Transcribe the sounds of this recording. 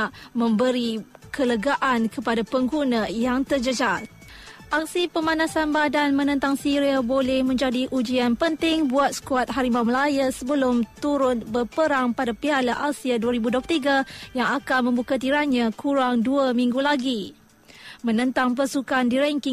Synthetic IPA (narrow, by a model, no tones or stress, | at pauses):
aʔmə̃mbəɾikələɡaʔankəpadapəŋɡunãjaŋt̪ərd͡ʒəd͡ʒat̪̚ | ʔak̚sipəmãnãsanbadanmə̃nə̃nt̪aŋsiɾiabolɛhmə̃ɲd͡ʒadiʔud͡ʒianpənt̪ɪŋbuat̪̚sə̥kuat̪̚ɦaɾimaməlajasəbəlʊmt̪uɾʊnbərpəɾaŋpadapialaʔasiaduaɾibuduoplt̪iɡajaŋakanmə̃mbukat̪iɾaɲãkʰuɾaŋduamĩŋɡulaɡi | mə̃nə̃nt̪aŋp̬ərsukandiɾɛŋkɪŋ